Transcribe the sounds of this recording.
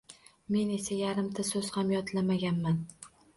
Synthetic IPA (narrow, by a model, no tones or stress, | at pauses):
me̞ne̞sajaɾɪmt̪ʰasɵz̥hamjɒt̪ʰlamaɡʲanman